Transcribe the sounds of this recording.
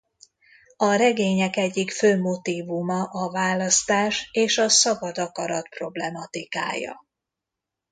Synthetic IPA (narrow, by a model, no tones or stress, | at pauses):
ɒɾɛɡeːɲɛkɛɟːikføːmo̞t̪iːvumɒʔɒvaːlɒst̪aːʃeːʃɒsɒbɒd̪ɒkɒɾɒt̪pro̞blɛmɒt̪ika̰ːjɒ̰